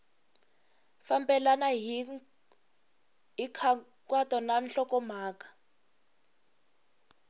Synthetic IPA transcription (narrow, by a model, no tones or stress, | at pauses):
fambɛlanaɦi | ɦikʰa | kwatʼɔnanɬɔkɔmaːkḁ